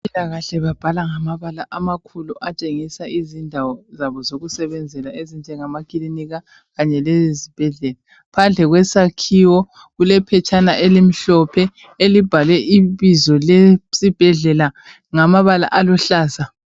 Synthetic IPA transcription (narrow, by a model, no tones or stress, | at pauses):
pʼilaɣaɬɛβab̥ʱalaŋamaβalaʔamakʰuluʔat͡ʃʼeŋisaizindʱawɔzaβɔzoɣusɛβɛnd͡zʱɛlaezind͡ʒʱɛŋamakʼiliniɣa | ɣaɲɛlezizib̥ʱɛɮɛla | pʰand͡ɮʱɛɣwɛsakʰiwɔ | ɣulɛpʰɛt͡ʃʰʼanaʔelim̩ɬɔpʰɛ | elib̥ʱalwɛʔiβizɔlesib̥ʱɛɮɛla | ŋamaβala̰ʔalɔɬaːza